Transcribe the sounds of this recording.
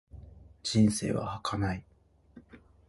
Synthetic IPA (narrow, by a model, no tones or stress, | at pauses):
d͡ʑĩñse̞̰ːβa̰hakʰanai